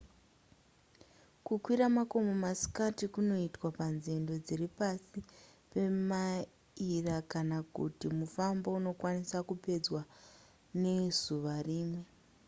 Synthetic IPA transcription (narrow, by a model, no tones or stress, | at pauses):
kukwiɾamako̞momasi̥katikuno̞itwapanzendo̞d͡ziripasi | pe̞ma | irakanakṵtimufambouno̞kwanisakupe̞d͡zwa | ne̞z̥uʋariːmwe̞